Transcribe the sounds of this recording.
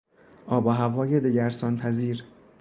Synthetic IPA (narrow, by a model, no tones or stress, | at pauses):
ʔɒːbɒːɦævɒːjed̪eɟæɾsɒːnpʰæziːɾ